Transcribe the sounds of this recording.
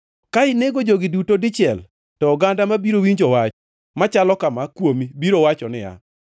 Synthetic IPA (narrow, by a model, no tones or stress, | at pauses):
kaɪneɡod͡ʒoɡɪdutodɪt͡ʃɪɛl | tɔːɡandamabiɾowiɲd͡ʒɔwat͡ʃɔ | mat͡ʃalɔkamakwomibiɾowat͡ʃɔnɪa̰